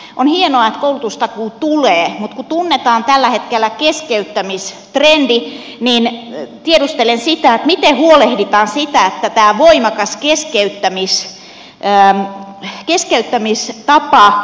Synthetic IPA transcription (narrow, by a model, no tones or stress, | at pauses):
ʔonhienoɑet̪koulut̪ust̪ɑkuːt̪uleːmut̪kut̪unːet̪ɑːnt̪ælːæhet̪kelːˑækeskeyt̪ːæmis | t̪rendi | nint̪ieɾust̪elensit̪æet̪mit̪ehuolehdit̪ɑːnsit̪æet̪ːæt̪æːʋoimɑkɑskeskeyt̪ːæmis | ə | keskeyt̪ːæmist̪ɑpɑ